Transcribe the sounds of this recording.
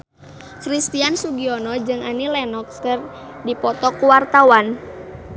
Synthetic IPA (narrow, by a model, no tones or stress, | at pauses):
kɾist̪iansuɡiɔnɔd͡ʒɨŋanilɛnɔkskər | dipɔt̪ɔkuwart̪awan